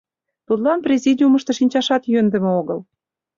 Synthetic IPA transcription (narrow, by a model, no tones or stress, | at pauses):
t̪ut̪lɑnprʲezʲidʲiuməʃt̪ɤ̆ʃinʲt͡ɕɑʃɑt̪jønd̪ə̆meoɣɤl